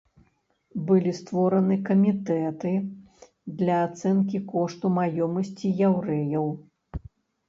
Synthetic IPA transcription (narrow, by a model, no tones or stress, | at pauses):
bɨlʲist̪vɔɾɐnɨkɐmʲit̪ɛt̪ɨ | d̪lʲɐːt̪sɛnkʲikɔʂt̪umajɔmɐsʲt͡sʲijawɾɛjɐw